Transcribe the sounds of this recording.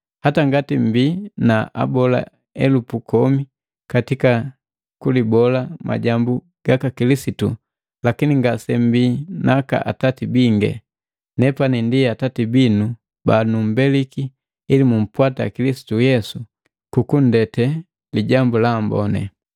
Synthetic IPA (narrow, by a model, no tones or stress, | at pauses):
hataŋɡatim̩binaʔa̰bɔla̰ | ɛlupukɔmi | katika | kulibɔlama̰ɟambu | ɡ̥akakilisitu | lakiniŋɡasɛm̩biːnaka̰ʔatatibiŋɡɛ̰ | nɛpanindiatatibinu | banum̩bɛlikiː | limum̩pwatakilisi̥tujɛsu | kukun̩dɛtɛ | liɟambulambɔ̰nɛ̰